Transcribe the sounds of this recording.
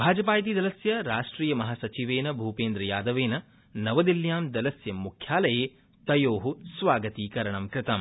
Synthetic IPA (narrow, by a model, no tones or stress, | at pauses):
bʱaːd͡ʒɐpaːjt̪id̪ɐlɐsjɐɾaːʂʈɾiːjɐmɐɦasɐt͡ʃiʋeːnɐbʱuːpeːnd̪ɾɐjaːd̪ɐʋeːnɐ | nɐʋɐd̪iljaːmd̪ɐlɐsjɐmːukʰjaːlɐjeː | t̪ɐjoːɦusʋaːɡɐt̪iːkɐɾɐɳɐmkɾɪt̪ɐm